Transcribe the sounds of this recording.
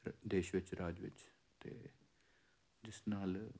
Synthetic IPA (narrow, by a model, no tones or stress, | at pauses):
d̪eːʃʋɪt͡ʃɾaːd͡ʒʋɪ̰t͡ʃ | t̪ḛː | d͡ʒɪsnaːl